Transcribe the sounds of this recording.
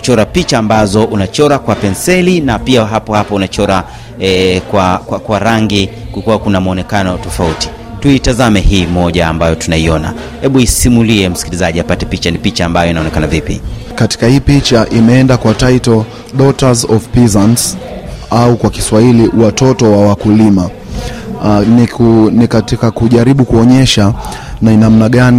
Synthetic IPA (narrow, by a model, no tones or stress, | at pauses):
ku̥t͡ʃɔɾapit͡ʃaːmbazɔʔunat͡ʃɔɾakwapɛnsɛlinapiaɦapɔhapɔunat͡ʃɔɾa | ɛkwakwakwaɾaŋɡikuikuwakunamaɔnɛkanɔtɔfauti̥ | tuitazamɛhiːmɔʄaːmbajɔtunaiɔna̰ | hɛɓuisimuliɛm̩si̥kilizaʄiapatɛpit͡ʃanipit͡ʃaːmbajɔinaɔnɛkanavipḭkati̥kahiːpit͡ʃaʔimɛɛndakwataitɔ | ɗɔtazɔvpizans | aukwaki̥swahiliwatɔtɔwawakulima | nikatikakuʄaɾiɓukuɔɲɛʃa | nanam̩naɠani